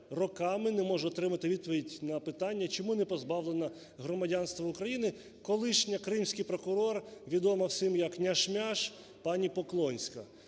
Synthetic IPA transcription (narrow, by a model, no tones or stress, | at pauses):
rɔkɑmɪnɛmɔʒɛɔt̪ɾɪmɐt̪ɪʋʲid̪̚pɔʋʲidʲnɐpɪt̪ɑnʲːɐt͡ʃɔmunɛpɔzbɑʋlˠenɐ | ɦɾɔmɐdʲanst̪ʋɐʊkɾɐjinɪ | kɔlˠɪʃnʲɐkɾɪmsʲkɪjpɾɔkʊɾɔrʋʲid̪ɔmɐwsɪmjɐknʲɐʃmʲaʃ | pɑnʲipɔklˠɔnʲsʲkɐ